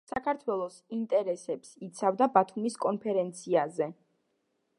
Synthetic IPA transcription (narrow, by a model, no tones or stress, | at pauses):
sakʰaɾt̪ʰwɛlˠɔsint̪ʼɛɾɛsɛpsit̪sʰavd̪abat̪ʰumiskʼɔnpʰɛɾɛnt̪sʰiazɛ